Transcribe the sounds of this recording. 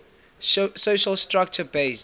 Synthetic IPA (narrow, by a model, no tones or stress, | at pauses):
soʃəlstɹak̚t͡ʃəbeɪs